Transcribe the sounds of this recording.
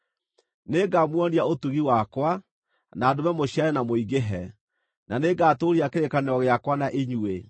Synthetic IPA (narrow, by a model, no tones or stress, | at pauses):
neɡamwɔniaotuɣiwakwa | naːdomɛmoɕiaɾɛnamoiɡeɦɛ | nʔaneɡaːtoɾiakeɾekaneɾɔɣeakwanaʔeɲue